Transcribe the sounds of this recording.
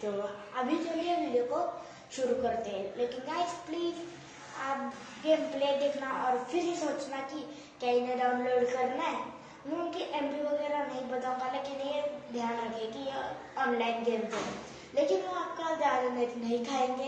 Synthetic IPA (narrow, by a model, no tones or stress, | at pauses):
t̪oːɐbʱid͡ʒoliemiljoko | ʃʊɾukɐɾt̪eɦɛ̃leːkɪnnaɪspliːz | aːp | ɡeːmpleːd̪eːkʰnaɔːɾfʰɪɾɦisoːt͡ʃnaki | kaineɖaʊnloːɖkɐɾnaɦɛ | mẽʊnkeʔẽmpiʋɐɡɛːɾanɐɦĩbɐt̪aalekenɐĩed̪ʱjaːnɾɐkʰeki | ɔːnlaːɪnɡeːmd͡ʒeɦɛ̰̃ | leːkɪnʋoaːp̚kad͡ʒaːznenɐɦĩkʰaːẽːŋɡe